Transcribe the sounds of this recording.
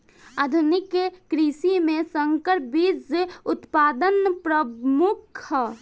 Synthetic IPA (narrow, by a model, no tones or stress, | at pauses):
ad̪ʱunɪkekɾisimẽsəŋkəɾ̚bid͡zʊt̪paːd̪ənpɾəmʊkʰ